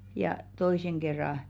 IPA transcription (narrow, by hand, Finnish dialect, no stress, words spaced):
jɑˑ toiˑseŋ ɡ̊erːɑ